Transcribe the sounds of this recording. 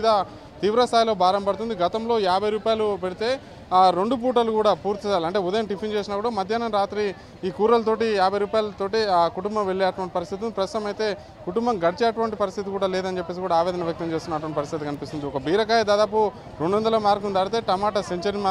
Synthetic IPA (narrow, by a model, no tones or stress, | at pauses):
d̪aː | t̪iːʋɾɐst̪ʰaːjlo̞ːbʱaːɾɐmpɐɽut̪und̪iɡɐt̪ɐmlo̞ːjaːbʱɐjɾuːpaːjlupeɽit̪e̞ː | ɾe̞ɳɖup̬uːʈ̬ɐlukuːɽaːpuːɾt̪isaːlɐɳʈe̞ːud̪ɐjɐmʈipʰint͡ʃe̞ːsinɐkuːɽaːmɐd̪ʱjaːnɐmɾaːt̪ɾi | iːkuːɾɐlɐt̪̬o̞ːʈijaːbʱɐjɾuːpaːjɐlɐt̪o̞ːʈikuʈumbɐmʋeɭːeːɐʈʋɐɳʈipɐɾist̪ʰit̪uipɾɐst̪ut̪ɐmɐjt̪e̞ː | kuʈumbɐmɡɐɽit͡ʃeːɐʈʋɐɳʈipɐɾist̪ʰit̪ikuːɽaːleːd̪ɐnt͡ʃepːeːsikuːɽaːʋɛːd̪ɐnɐʋjɐk̚t̪ɐmt͡ʃeːst̪unːɐʈ̬ʋɐɳʈipɐɾist̪ʰit̪ikɐnipist̪und̪iɔkɐbiːɾɐk̬aːjɐd̪aːd̪aːp̬u | ɾeɳɖuʋɔnd̪ɐloːmaːɾkund̪aːɽit̪e̞ːʈɐmaːʈɐseɲt͡ʃɐɾnmaː